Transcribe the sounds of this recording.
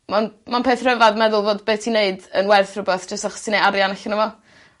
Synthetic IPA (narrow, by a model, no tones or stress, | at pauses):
manmanpʰeːθrəvaðmɛðʊlˠvoːdbeːtʰineɨdənwɛrθrʊbeθd͡ʒ̥əstaχɔsinejaɾjanaɬɪnəvɔ